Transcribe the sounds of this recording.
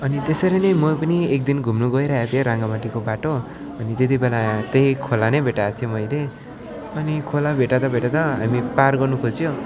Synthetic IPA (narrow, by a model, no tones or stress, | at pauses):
ʌnit̪esʌɾʌnʌjmʌpʌniek̚d̪inɡʱumnuɡʌiɾʌɦat̪ʰijoɾaŋɡamaʈikobaʈo | ʌnit̪et̪̬ibelat̪ejkʰolanʌjbʱeʈat̪ʰijomʌjle | ʌnikʰolabʱeʈad̪ʌbʱeʈat̪ʌɦamiparɡʌrnukʰod͡zijo